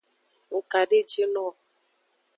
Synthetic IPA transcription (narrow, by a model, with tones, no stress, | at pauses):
ʊ˨ka˨ɖe˦˨t͡ʃe˦nɔ˦˨